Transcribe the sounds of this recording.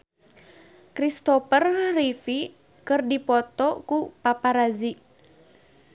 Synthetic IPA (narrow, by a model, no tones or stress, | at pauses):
kɾist̪ɔpərːifi | kɨrdipɔt̪ɔkupapaɾazi